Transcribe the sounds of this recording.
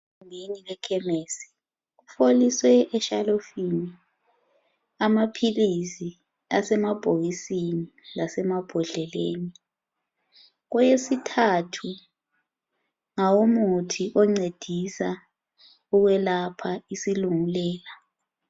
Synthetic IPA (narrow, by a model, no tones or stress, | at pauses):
ŋeniɣɛkʰɛmeːsi̥ | ufoliswɛɛʃalofini | amapʰilisi | asɛmab̥ʱoɣisinilasɛmab̥ʱɔɮɛleːni | ɣɔjesitʰatʰu | ŋawomutʰiʔɔŋ͡ǀed̥ʱisa | uɣwɛlapʰaisiluŋulɛːla